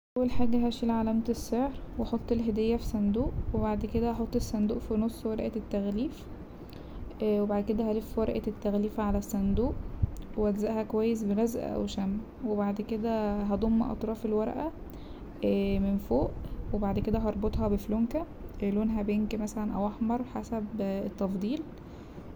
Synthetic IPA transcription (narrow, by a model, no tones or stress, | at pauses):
ʔæwːælħaːɡæɦæʃiːlʕalæmt̪esːeʕɾweħot̪ˤːelɦed̪ejːæfi̥sænd̪uːʔwebaʕd̪ked̪æhæħot̪ˤːesːænd̪uːʔfinosˤːwɑɾʔæ̰t̪ːæɣliːf | webaʕd̪ked̪æhælifwæɾʔæt̪ːæɣliːfʕalæsːænd̪uːʔweʔæɡzæʔhækowæjːes̬belæzʔæ̰ʔæ̰wʃæmːæ | webaʕd̪ked̪æɦɑd̪ˤomːʔɑ̰t̪ˤɾˤɑːfelwɑɾˤʔæ | menfoːʔwebaʕd̪ked̪æɦɑɾˤbot̪ˤhɑbefloŋkæ | loːnɦæbeŋkmæsælænʔæwʔɑħmɑɾˤħasæbet̪ːɑfd̪ˤiːl